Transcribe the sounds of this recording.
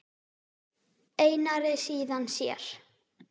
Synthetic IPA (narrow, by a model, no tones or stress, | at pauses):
eːjnaɾɪsiːðansjɛ̰ɾ̥